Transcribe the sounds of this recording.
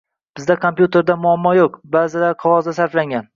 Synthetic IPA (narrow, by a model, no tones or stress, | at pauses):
b̥ɪzd̪akʰompjut̪ʰe̞ɾd̪amʊamːɒjoqbazɪlaɾqʰɒvɒzd̪asaɾflaŋɡʲan